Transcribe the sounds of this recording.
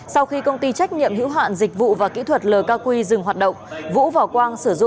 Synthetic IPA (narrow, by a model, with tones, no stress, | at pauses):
sa˧wxi˧kə˧wŋ͡mt̪i˧t͡ɕa˦˥jk̚ɲḭ˧˨əmhḭ˧˥wɦa̰ː˧˨nzi˨˩k̟̚vṵ˧˨vaː˨˩kḭ˧˥t̪ʰwə˨˩t̚ləː˨˩kaː˧kwi˧zɨ˨˩ŋɦwaː˨˩t̚ɗə̰˧˨wŋ͡mvṵ˧˥va˨˩kwaː˧nsɨ˧˩zʊ̰˧˨